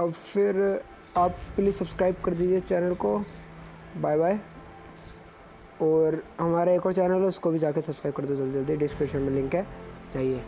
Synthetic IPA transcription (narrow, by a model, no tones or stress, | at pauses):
ɐbfʰɪɾ | aːpplisɐbskɾaːɪb̚kɐɾd̪iːd͡ʒiet͡ʃɛːnəlko | baːjbaːe | ɔːɾɦɐmaːɾaeːkɔːɾt͡ʃɛːnəlʊskobʱid͡ʒaːkesɐbskɾaːɪb̚kɐɾd̪od͡ʒɐld̪əld̪ieɖɪskɾeːʃənmẽlɪ̃ŋkɦɛd͡ʒaːɦieː